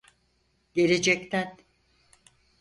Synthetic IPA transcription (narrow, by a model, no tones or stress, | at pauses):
ɟ̥e̞ɾed͡ʒɛkt̪ʰæn